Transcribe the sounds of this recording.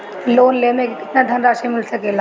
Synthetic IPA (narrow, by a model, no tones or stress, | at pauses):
loːnlemẽkkɪt̪nad̪ʱɐnɾaːʃemɪlsɐkela